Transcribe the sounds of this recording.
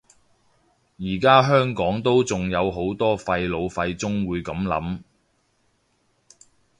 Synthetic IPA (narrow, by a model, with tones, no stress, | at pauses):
jiː˨˩kaː˥ɦœː˥ŋkɔː˨˥ŋt̪o˥wt͡sʊ˨ŋjɐ˨˧wɦo˨˥wt̪ɔː˥fɐ˧jlo˨˧wfɐ˧jt͡sʊ˥ŋwuː˨˧jkɐ˨˥mlɐ̰˨˥m